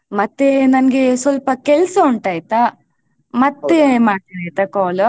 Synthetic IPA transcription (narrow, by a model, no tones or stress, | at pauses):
mɐt̪ːenɐnɐɡesʋɐlpɐkɛlsɐuɳʈaːjt̪a | mɐt̪ːemaːɽt̪inaːjt̪ɐkɔːlɐ